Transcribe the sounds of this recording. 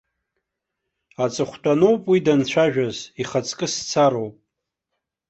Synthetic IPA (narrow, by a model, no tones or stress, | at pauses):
at͡sʼɨχʷtʷʰʼano̞wpʼwidant͡ɕʷʰaʒᶣaziχat͡sʼkʼɨst͡sʰaɾo̞wpʼ